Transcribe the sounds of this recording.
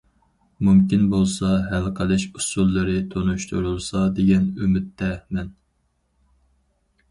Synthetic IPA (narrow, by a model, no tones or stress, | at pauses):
mumkʲinbolˠsɑɦælqʰəlˠɨʃusulˠːɨɾɨt̪ʰonuʃt̪ʰuɾulˠsɑd̪eɡʲɛnymɪt̪ːɛmɛn